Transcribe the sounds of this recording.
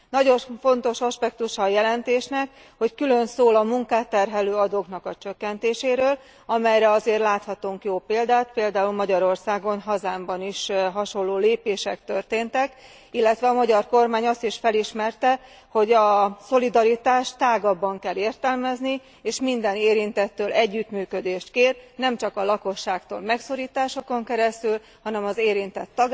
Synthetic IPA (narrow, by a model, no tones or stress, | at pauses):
nɒɟo̞ɱfo̞nt̪o̞ʃɒʃpɛk̚t̪uʃɒːjɛlɛnt̪eːʃnɛk | ho̞ckylø̞nsoːlɒmuŋkaːt̪ːɛrɦɛløːɒd̪oːknɒkɒt͡ʃøkːɛnt̪eːʃeːɾøːl | ɒmɛjɾɛɒzeːrlaːt̪hɒt̪uŋkjoːpeːld̪aːt̪peːld̪aːulmɒɟɒɾo̞rsaːɡo̞nɦɒzaːmbɒniʃɦɒʃo̞lːoːleːpeːʃɛkt̪ørt̪eːnt̪ɛk | ilːɛt̪ʋɛɒmɒɟɒrko̞rmaːɲɒst̪iʃfɛliʃmɛrt̪ɛ | ho̞ɟɒso̞lid̪ɒɾit̪aːʃt̪aːɡɒbːɒŋkɛlːeːrt̪ɛlmɛzni | eːʃmind̪ɛneːɾint̪ɛt̪ːøːlɛɟːyt̪myːkø̞d̪eːʃt̪keːrnɛmt͡ʃɒkɒlɒko̞ʃːaːkt̪o̰ːlmɛkso̞ɾiːt̪aːʃo̞ko̞ŋkɛɾɛst̪yl | hɒnɛmɒzeːɾint̪ɛt̪ːɒɡ